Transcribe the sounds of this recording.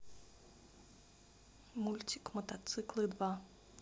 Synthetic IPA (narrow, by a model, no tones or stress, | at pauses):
mulʲtʲikmɔt̪at̪sɨklˠɨd̪va